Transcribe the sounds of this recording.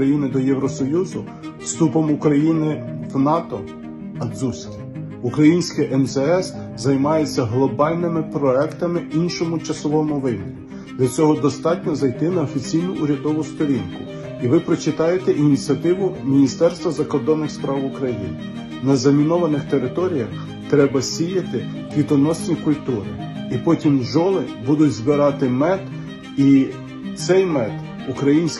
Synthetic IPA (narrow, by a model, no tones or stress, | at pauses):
ɐjinɪd̪ɔjɛwɾɔsɔjuzʊ | fst̪upɔmʊkɾɐjinɪʋnɑt̪ɔ | ɐd̪zusʲkʲi | ukɾɐjinʲsʲkɪjʔɛmzɛɛs | zɐjmɑjet͡sʲːɐɦlˠɔbɑlʲnɪmɪpɾɔɛkt̪ɐmɪinʃɔmʊt͡ʃɐsɔʋɔmʊʋɪɦmʲiɾʲi | d̪lʲɐt͡sʲɔɦɔd̪ɔst̪ɑtʲnʲɔzɐjt̪ɪnɐɔfʲit͡sʲijnʊʔuɾʲɐd̪ɔʋʊst̪ɔɾʲinkʊ | iʋɪpɾɔt͡ʃɪt̪ɑjet̪eʔinʲit͡sʲiɐt̪ɪʋʊmʲinʲist̪ɛrst̪ʋɐzɐkɔrd̪ɔnːɪxspɾɑwʊkɾɐjḭnɪ | nɐzɐmʲinɔʋɐnɪxt̪eɾɪt̪ɔɾʲijɐx | t̪ɾɛbɐsʲijɐt̪ɪ | kʋʲid̪ɔnɔsʲnʲikʊlʲt̪uɾɪ | ipɔtʲimʒɔlˠɪbud̪ʊtʲzbɪɾɑt̪ɪmɛt̪ | i | t̪sɛjmɛt̪ | ʊkɾɐjinʲsʲ